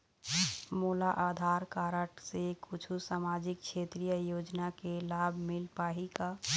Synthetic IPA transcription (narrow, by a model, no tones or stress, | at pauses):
mulaʔad̪ʱaɾkaɾəʈsekut͡ʃʰusamad͡ʒik̚kʃʰet̪ɾijəjod͡ʒnakelabʱmilpaɦika